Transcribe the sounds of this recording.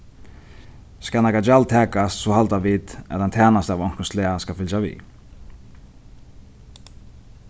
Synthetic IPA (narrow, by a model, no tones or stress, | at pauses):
skalnakad͡ʒalt̪ʰɛːkast̪sɔhalt̪avit̪ɛ̰a̰t̪hant̪ʰɛːnast̪avɔŋ̥kɔnslɛːaskafɪlt͡ʃavḭː